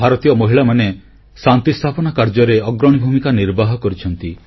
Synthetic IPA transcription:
bʱaɾɔt̪ijɔmɔɦiɭamane | sant̪ist̪ʰapɔnakaɾd͡ʒɔɾeɔɡɾɔɽ̃ibʱumikaniɾbaɦɔkɔɾit͡ʃʰɔnt̪i

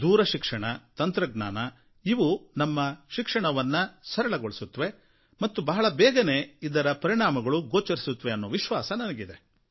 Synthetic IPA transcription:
d̪uːɾɐʃikʂɐɳɐt̪ɐnt̪ɾɐɡ̚na̰ːnɐ | iʋunɐmːɐʃikʂɐɳɐʋɐnːɐsɐɾɐɭɐɡoɭisut̪ːʋe̞ | mɐt̪ːubɐɦɐɭɐbɛːɡɐne̞ːid̪ɐɾɐpɐɾiɳaːmɐɡɐɭuɡoːt͡ʃɐɾisut̪ːʋe̞ɐnːoːʋiʃʋaːsɐnɐnɐɡid̪e̞

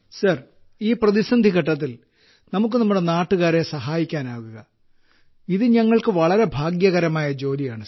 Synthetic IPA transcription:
sɐr | iːprɐðisɐnd̪ʱiɣɐʈːɐt̪̬ːil | nɐmuk̬ːɨnɐmːuɽe̞naːʈːuɣaːɾe̞sɐɦaːjikʲːaːnaːɣuɣɐ | iðɨɲɐŋːɐɭkɨʋɐɭɐɾe̞bʱaːɡjɐɣɐɾɐmaːjɐd͡ʑo̞ːlijaːɳɨ

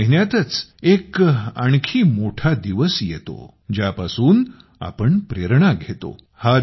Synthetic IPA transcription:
ɦinjat̪ət͡sekaɳ̃kʰiːmoʈʰad̪iʋəsjet̪o̰ | d͡ʑjapasuːn | a̰pəɳpɾeɾɳ̃aɡʱet̪o̰ | ha

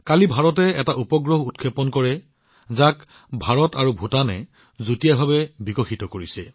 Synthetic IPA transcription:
kalibʱaɹɔtɛɛtaʔupɔɡɹɔɦutkʰepɔnkɔɹɛ | zak | bʱaɹɔtaɹubʱutanɛ | zutijabʱabɛbikɔxitɔkoɹisɛ

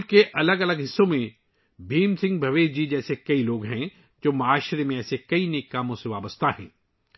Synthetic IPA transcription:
keʔɐləɡɐləɡɦɪsːõmẽ | bʱiːmsɪ̃ŋɡbʱɐʋeːd͡ʒid͡ʒɛːsekɐiloːɡɦɛ̃ | d͡ʒoːmɐaːʃɾemẽɛːsekɐineːkːaːmõseʋaːbəst̪ʰaɦɛ̰̃ː

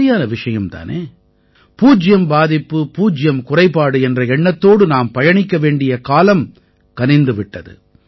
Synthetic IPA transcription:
ɪjaːnɐʋɪʂɐjɐmt̪a̰ːnḛː | puːd͡ʒɪjɐmbaːðɪpːɯpuːd͡ʒɪjɐmkʊrɐɪpːaːɽɯɛndrɐɛɳːɐt̪ːoːɽɯnaːmpɐjɐɳɪkːɐʋeːɳɖɪjɐkaːlɐm | kɐnɪnd̪ɯʋɪʈːɐðɯ̰

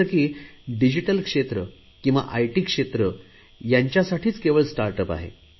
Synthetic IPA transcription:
əɾkiːɖid͡ʑiʈəlkʂet̪ɾə | kĩw̃ʋa̰ʔajʈiːkʂet̪ɾə | jaɲt͡ɕjasaʈʰiːt͡skeʋəɭsʈaɾʈəpa̰ɦḛ

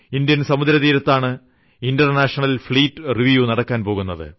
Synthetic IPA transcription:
ind̪jɐnsɐmud̪ɾɐðiːɾɐt̪ːaːɳɨ | inɖɐrnaːʂɐɳɐlfɭiːʈːɨriʋjunɐɽɐkːaːnpo̞ːɣunːɐðɨ̰

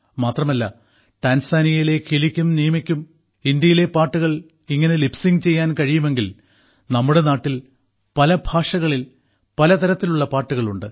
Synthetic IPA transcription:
maːt̪rɐmɐlːɐ | ʈaːnsaːnijɐjile̞kʰilikʲːumnijɐmikʲːum | ind̪jɐjile̞paːʈːuɣɐɭ | iŋːɐnelipsiŋɡt͡ɕe̞jːaːnkɐɻijume̞ŋɡil | nɐmːuɽe̞naːʈːil | pɐlɐbʱaːʂɐɣɐɭil | pɐlɐt̪ɐɾɐt̪ːiluɭːɐpaːʈːuɣɐɭuɳɖɨ

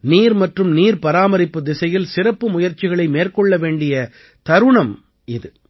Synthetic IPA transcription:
niːɾmɐʈrɯmniːɾpɐɾaːmɐɾɪpːɯd̪ɪsɐjɪlsɪɾɐpːɯmʊjɐɾt͡ʃɪɣɐɭɐɪmeːrkɔɭːɐʋeːɳɖɪjɐ | t̪ɐɾɯɳɐm | ɪðɯ

